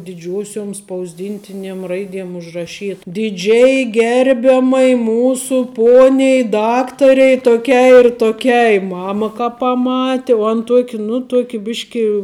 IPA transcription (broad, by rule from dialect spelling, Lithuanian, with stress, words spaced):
dʲɪˈd͡ʒʲuɔsʲoːm spɐʊzʲˈdʲɪnʲtʲɪnʲiɛm ˈrɐɪdʲiɛm ʊʒrɐˈʃʲiːt dʲɪˈd͡ʒʲɛɪ ˈɡʲɛrʲbʲɛmɐɪ ˈmuːsʊ ˈpoːnʲɛɪ ˈdɑːktɐrʲɛɪ toːˈkʲɛɪ ɪr toːˈkʲɛɪ ˈmɑːmɐ kɐ pɐˈmɑːtʲɪ ʋuɔ ɐn ˈtuɔkʲ nʊ ˈtuɔkʲɪ ˈbʲɪʃʲkʲɪ